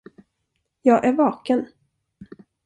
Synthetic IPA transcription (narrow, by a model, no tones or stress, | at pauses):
jɑːɡʔæɾvɑːkən